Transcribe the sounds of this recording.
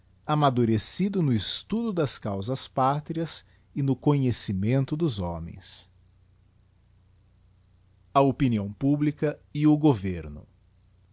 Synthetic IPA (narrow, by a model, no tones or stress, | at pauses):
amad̪uɾesid̪ʊnʊɪst̪ud̪ʊd̪ɐskawzɐspat̪ɾiɐs | ɪnʊkõɲesimẽnt̪ʊd̪ʊzɔ̃mḛ̃j̃s | ɐopiniɐ̃w̃publikɐɪʊɡoveɾnʊ